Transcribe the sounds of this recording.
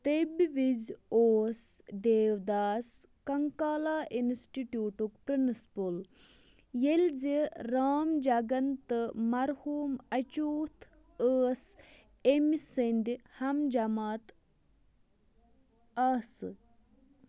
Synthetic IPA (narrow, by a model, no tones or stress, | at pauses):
t̪ebʋizoːsd̪eːʋd̪aːs | kɐŋkaːlaːʔinsʈiʈjuːʈukpɾɨnɨspul | jelziɾaːmd͡ʒɐɡɐnt̪ɨmɐɾhuːmɐt͡ʃuːt̪ʰ | əːs | emsind̪ihɐmd͡ʒɐmaːt̪ | ɐsɨ